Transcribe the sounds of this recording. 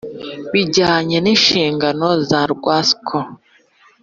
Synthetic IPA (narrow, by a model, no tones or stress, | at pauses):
βiɟaːɲeninʃiːŋɡanozaɾɡwaskʰo